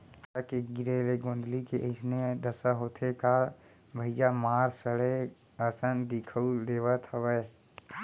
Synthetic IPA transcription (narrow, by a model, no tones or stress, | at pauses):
əkeɡɪɾeleɡõːnd̪likeʔəɪsned̪əsəɦoːt̪ʰeka | bʱəɪjamaːɾsəɽe | əsənd̪ɪkʰəud̪eːʋət̪əʋɛː